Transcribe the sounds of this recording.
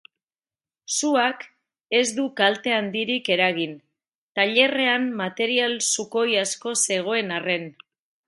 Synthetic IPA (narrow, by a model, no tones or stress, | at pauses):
suak | e̞zd̪ukalt̪e̞and̪iɾike̞ɾaɣin | t̪aʎe̞re̞ammat̪e̞ɾialsuko̞jasko̞se̞ɣ̞o̞e̞nare̞n